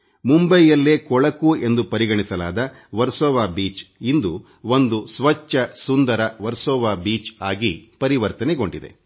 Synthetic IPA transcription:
mumbɐjːɐlːeːkɔɭɐkue̞nd̪upɐɾiɡɐɳisɐlaːd̪ɐ | ʋɐɾsɔːʋaːbiːt͡ʃind̪u | ond̪usʋɐt͡ʃːɐsund̪ɐɾɐʋɐɾsɔːʋaːbiːt͡ʃaːɡipɐɾiʋɐɾt̪ɐneɡo̞ɳɖid̪e̞̰

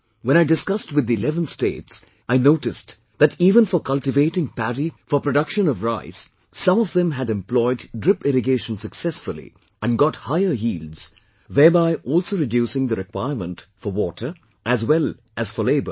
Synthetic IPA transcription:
wɛ̃ñaɪɖɪskʌstwɪd̪ːiɪlɛvə̃nstḛːts | aɪnoʊʈɪst | ð̥ætiːvə̃nfɔkʰʌltɪveɪʈɪ̃ŋpæɾifɔpɾoɖʌkʃə̃nɔvɾaɪsː | ʌ̃mɔvðɛ̃mɦæɾɛ̃mplɔɪdːɾɪpɪɾɪɡeːʃə̃nsəksɛsfʊlḭ | ʔæ̃nɡɑthaɪə˞jiːldz̥ | ðɛːɹbaɪʔɔːlsoʊɾɪdjusɪ̃ŋd̪əɾɪkwaɪəɹmə̃ntfɔwɔtʰə˞ | ʔæzwɛl | ʔæz̥fəleɪbə̰

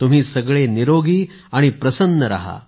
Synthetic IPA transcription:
t̪um̤iːsəɡɭeniɾoɡiː | aɽ̃ipɾəsənːəɾa̰ɦa̰

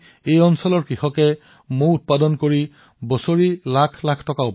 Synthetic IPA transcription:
ejɔnsɔlɔɹkɹixɔkɛ | mʊɹut̚padɔnkoɹi | bɔsoɹilakʰlakʰtɔkaʊp

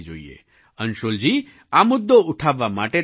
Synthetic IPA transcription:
d͡ʒo̰ḭḛ | ənʃold͡ʒi | amʊd̪ːouʈʰaʋːamaʈe

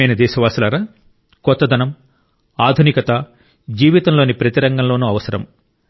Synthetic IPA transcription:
ɐjnɐd̪ɛːʃɐʋaːsɐlɐɾɐ | kɔt̪ːɐd̪ʱɐnɐm | aːd̪ʱunikɐt̪a | d͡ʒiːʋit̪ɐmloːnipɾɐt̪iɾɐŋɡɐmloːnuːɐʋɐsɐɾɐ̰m

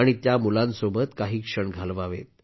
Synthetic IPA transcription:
aɽ̃it̪jamulãnsobət̪kaɦiːkʂəɳɡʱalʋaʋḛt̪

